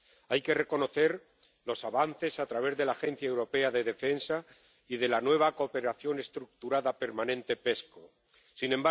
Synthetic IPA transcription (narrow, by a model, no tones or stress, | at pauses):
ajke̞re̞ko̞no̞θe̞ɾ | lo̞saβan̟θe̞sat̪ɾaβ̞e̞zðe̞laːxe̞n̟θjaewɾo̞pe̞aðe̞ðe̞fe̞nsa | ið̞e̞lanwe̞β̞ako̞pe̞ɾaθjo̞ne̞st̪ɾuk̚t̪uɾaðape̞ɾmãnẽ̞nt̪e̞pe̞sko | sinẽ̞mba